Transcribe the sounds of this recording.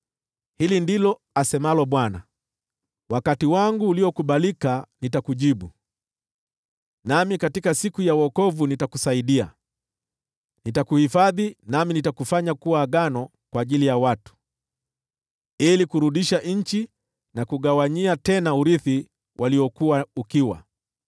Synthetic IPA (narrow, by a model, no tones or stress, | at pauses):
hilindilɔ | asɛmalɔɓwana̰ | wakatiwaŋɡuːliɔkuɓalikanitakuʄiɓu | namikatikasikujawɔkɔvunitakusaiɗia̰ | nitakuhifaðinaminitakufaɲakuwaːɡanɔkwaːʄilijawatu̥ | ilikuɾuɗiʃaʔɲ̩t͡ʃi | nakuɠawaɲiatɛnauɾiθi | wʔaliɔkuwaukiwa̰